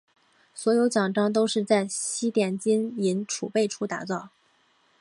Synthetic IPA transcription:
swɔ˧˥jo˧˥ʊt͡ɕjɑ˨˩ŋʈ͡ʂɑ˥ŋt̪̬o˥ʊʂɻ̩˥˧t͡sa˥˩ɪɕi˥t̪jɛ˨˩nt͡ɕi˥ni˧˥nʈ͡ʂʰṵ˨˩pe˥˩ɪʈ͡ʂʰu˥t̪a̰˧˥t͡sɑ˥˩ʊ

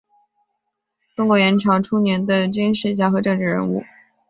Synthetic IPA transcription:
tʊ˥ŋkwɔ˧˩jɛ˧˥nʈ͡ʂʰɑ˧˥ʊʈ͡ʂʰu˥njɛ˧˥nd̪ə˧t͡ɕy˥nʂɻ̩˥˩t͡ɕja˥˩xɤ˧˥ʈ͡ʂɤ˥˧ŋʈ͡ʂɻ̩˥˩ɻə̰˧˥nṵ˥˩

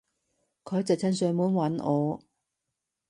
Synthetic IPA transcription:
kʰɔː˨˧jt͡sɐ˨wt͡sʰɐ˧˥nsœː˨˧ŋmuː˨˧˥nwɐ˨˥nʔɔː˨˧

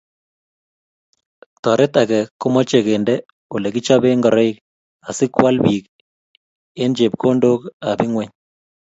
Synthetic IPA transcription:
tɔ˨ɾe˦takɛ˨kːu˦mɔ˦t͡ʃe˨kendɛ | o˨lɛkit͡ʃa˦be˦ŋɡɔ˨ɾɔ˦i˦k | a˨si˦kwa˦lbi˨k | e˦nd͡ʒep̚kʰo˦ndoka˨bi˦ŋwɛ˦ɲ

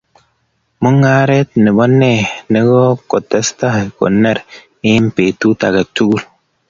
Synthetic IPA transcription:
mu˦ŋa˦ɾe˦t̚ni˨bɔ˦nːe˦˨ne˦ɡɔ˦ko˨tɛ˦sta˦˨ko̰˨nːe˦˨ɾ | e˦m̩˦pe˨tu˦ta̰˨ɡe˨t͡ʃu˦ɡu˦l

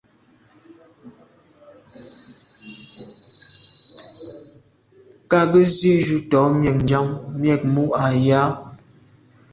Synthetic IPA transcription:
ka˦˨ɡə˦zi˦ʔʒu˦tɔ˨˦mjɛ˨k̚n˨d͡ʒa˦ŋmjɛ˨k̚mu˦ʔa˨ja˦

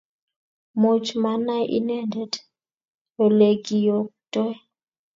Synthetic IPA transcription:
mo˦t͡ʃma˦na˦ʔḭ˦ne˦nde˨d | o˨le˨ɡi˨jo˨k̚tɔ˦

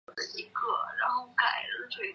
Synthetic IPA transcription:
d̪ə˧i˧˥kʰɤ̰˥˩ɻa˧˥nxo˥˧ʊka˨˩ɪə˥ʂʰwe˥ɪ

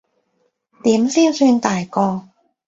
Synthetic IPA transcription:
t̪iː˨˥msiː˥nsyː˧nt̪aː˨jkɔː˧

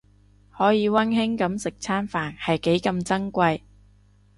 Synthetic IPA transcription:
hɔː˨˥jiː˨˧wɐ˥nhɪ˥ŋkɐ˨˥msɪ˨k̚t͡sʰaː˥nfaː˨nhɐ˨jke˨˥jkɐ˧mt͡sɐ˥ŋkʷɐ˧j

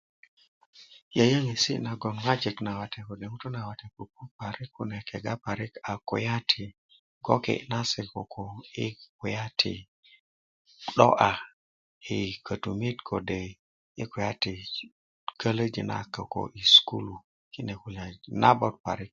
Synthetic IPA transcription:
jə˨jə˦ŋi˨sḭ˦na˨ɡo˨nŋa˦d͡ʒe˨kna˨wa˨te˨ko˨de˨ŋu˦to˦na˨wa˨te˨ku˨ku˦pa˨ɾi˦kːu˨ne˨ke˨ɡa˦pa˨ɾi˦ka˨ko̰˨ja˦tʰi˨ | ɡo˦kḛ˨na˦se˨ko˨kʰo˨i˦ku˨ja˦tʰḭ˨ | ɗo̰˦ʔa˨ | i˨kə˨tu˨mi˦tkʰo˨de˨ | i˦ku˨ja˦ti˨ | kə˦lə˦d͡ʒḭ˨na̰˨kə˨ko̰˨ʔi˨sku˦lu˨ | ki˦ne˨ku˨la˨na˦bo˦t̚pa̰˨ɾi˦k̚

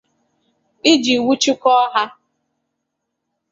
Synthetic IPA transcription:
ɪ˦d͡ʒi˨wu˦t͡ʃɪ˦kɔ˦ɦa˦

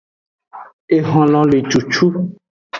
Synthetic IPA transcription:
e˨ɦɔ̃˨lɔ̃˨le˨t͡ʃu˨t͡ʃu˦

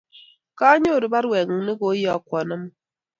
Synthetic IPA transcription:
ka˦ɲo˦˨ɾi˨˦ba˦ɾwɛ˨ŋə˨ŋ˦ni˦ɡo˨˦jɔ˨kʷɔ˨nə˦m˦

